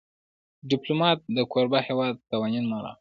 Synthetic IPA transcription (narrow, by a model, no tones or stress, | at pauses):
ɖɪplomɑt̪̚d̪əkoɾbahewɑd̪̚t̪awɑɲunmɑɾa̰